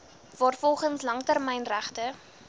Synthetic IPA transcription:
vɑːrfɔlˠχəŋslɐŋtərmɛjnræχtə

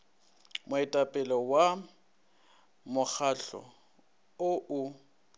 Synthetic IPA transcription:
mʊɛtʼapʼɛlɔwa | mʊk͡xʰaɬɔ̰ | ʊʔʊ

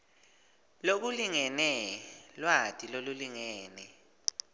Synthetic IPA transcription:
lok̬uliŋɛnɛlwatʼiloluliŋɛːnɛ

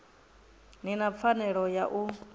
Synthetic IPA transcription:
ninap̪fʰanɛɺɔjaʔu

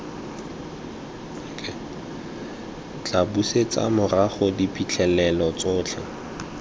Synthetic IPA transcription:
kʼɛ | t͡ɬabuset͡sa̰mʊraχʊdipʰʼit͡ɬʰɛlɛlɔt͡sʊːt͡ɬʰɛ

